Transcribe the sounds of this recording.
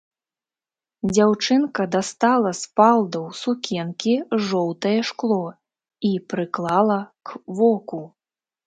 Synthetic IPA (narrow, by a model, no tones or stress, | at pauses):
d͡zʲawt͡ʂɨnkɐd̪ast̪alˠɐspalˠd̪ɐwsukʲɛnkʲiʐɔwt̪ɐjɛʂklˠɔ | ipɾɨklˠalˠɐkvɔku